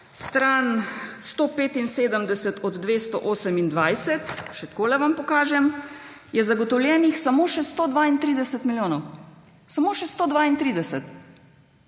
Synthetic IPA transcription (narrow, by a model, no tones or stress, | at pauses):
st̪ɾaːnst̪oːpeːt̪inseːd̪əmd̪ɛsət̪ʰɔd̪ːʋeːst̪ɔ̰ʔoːsəmind̪ʋajsɛt̪ʃɛt̪koːlɛʋampɔkaːʒɛm | jɛzaɡɔt̪ɔwljɛːnixsamoːʃɛst̪oːd̪ʋaːint̪ɾiːd̪ɛsət̪miljoːnɔw | samoːʃɛst̪oːd̪ʋaːint̪ɾiːd̪ɛsɛt̪